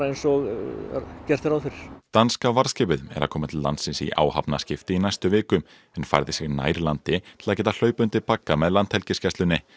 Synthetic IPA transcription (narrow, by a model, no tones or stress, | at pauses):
ejnsɔɣ | cɛr̥t̪ɪɾawθfɪɾɪ̥ɾ̥t̪anskavaɾ̥scɛːpɪðɛ̰ɾaðkʰɔːmat̪ʰɪllːant̪sɪnsḭʔa̰ːwhapnascɪft̪ɪinajst̪ʏvɪːkʏm | ɛnfa̰jɾðɪsjɪɣna̰ːjɾlant̪ɪt̪ʰɪ̥laðcɛːt̪al̥œːɥpʏnt̪ɪpakːamɛðlant̪hɛlcɪscɛsʏnːɪ